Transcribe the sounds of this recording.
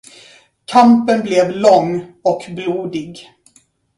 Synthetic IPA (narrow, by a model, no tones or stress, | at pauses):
kʰampənblɛvlɔŋːɔkbluːd̪ɪɡ